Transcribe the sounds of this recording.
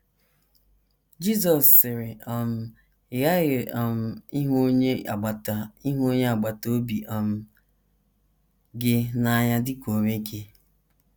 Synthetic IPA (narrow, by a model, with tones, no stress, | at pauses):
d͡ʒi˦zɔ˨sːɪ˨ɾɪ˨ɔ˨m̩˦˨ | ɪ˨ɣa˦ɣɪ˨ɔ˨m̩˦˨i˦ɦo˦ɲe˦a̰˨ɡ͡ba˨ta˨i˦ɦo˦ɲe˦a˨ɡ͡ba˨to˦bi˨ʔɔ˨m̩˦ | ɡɪ˦na˨ɲa˦dɪ˦ko˨me˦kʰe˦